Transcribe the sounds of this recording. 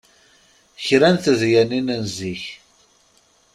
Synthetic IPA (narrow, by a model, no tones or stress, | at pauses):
çɾænθəðjæninənziç